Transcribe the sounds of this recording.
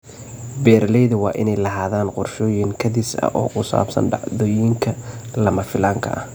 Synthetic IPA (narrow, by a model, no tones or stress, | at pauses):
bɛːɾlɛjðɐwɑːʔɪ̰nɛjlɐɦaːðaːnqʊrʃɔːjɪŋkʰɐd̪ɪsɐ̰ʔɔːkʰʊsa̰ːbsɐ̰nɖɑ̰ʕðɔːjɪŋkʰɐlɐmɐfɪlaːŋkʰɐ̰ʔɐ̰h